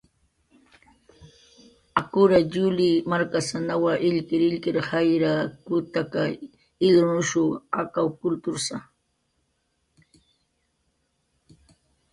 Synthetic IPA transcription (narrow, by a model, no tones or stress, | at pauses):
akʊɾaʎʊlimaɾkasanawaʔɪʎkɪɾɪʎkɪɾhajɾakʊt̪aka | ɪɡɾʊnʊʃʊakawkʊlt̪ʊɾsa̰